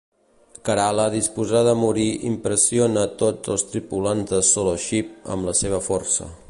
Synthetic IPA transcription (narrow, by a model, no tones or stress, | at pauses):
kəɾaləðispuzaðəmuɾiʔḭmpɾəsionət̪od͡zəlˠst̪ɾipulanzðəsoloʃip̚ə̰mləseβ̞əfɔrsə̰